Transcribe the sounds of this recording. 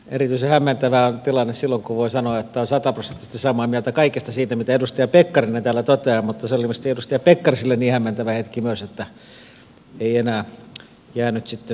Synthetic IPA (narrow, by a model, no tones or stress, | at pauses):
ḛrit̪yisehæmːænt̪æʋæont̪ilɑnːessilːoŋkuʋoisɑnoɑet̪ːæonsɑt̪ɑprosent̪ːist̪ːesɑmɑːmiælt̪ækɑikest̪ɑsiːt̪æmit̪æedust̪ɑjɑpekːɑrinet̪æːlːˑæt̪ot̪eɑmut̪ːɑseolimist̪iedust̪ɑjɑpekːɑrisilːenniːhæmːænt̪æʋæhet̪kimyøset̪ːæ | eienæː | jæːnyt̪sit̪ːe